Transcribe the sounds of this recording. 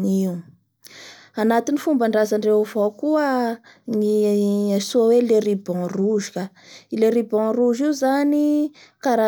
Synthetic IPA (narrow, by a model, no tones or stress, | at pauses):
niu | anat̪inifumbaɳɖ͡ʐazaɳɖ͡ʐeavowkuə | niasoaweleɾibɔ̃ruʒu̥kʲa | ileɾibɔ̃ruʒiuzani | kaɾa